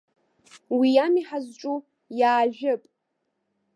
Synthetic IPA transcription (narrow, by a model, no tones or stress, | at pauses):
wijamiħazʈ͡ʂʷʼu | jaːʒᶣʊpʼ